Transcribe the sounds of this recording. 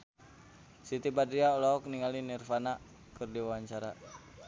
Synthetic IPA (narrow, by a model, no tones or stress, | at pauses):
sit̪ibadɾiaɔlɔɔk̚niŋalinirfana | kɨrdiwawaɲt͡ʃaɾa